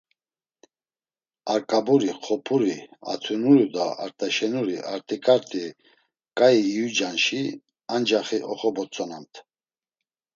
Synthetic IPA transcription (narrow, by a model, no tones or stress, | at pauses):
aɾkʼabuɾiχʰɔpʰuɾia̰t̪ʰunuɾud̪a̰a̰ɾt̪ʼɛʃɛnuɾiʔaɾt̪ʼikʼaɾt̪ʼi | kʼaiːud͡ʒanʃi | and͡ʒaχiʔɔχɔbɔt͡sʼɔnamt̪ʰ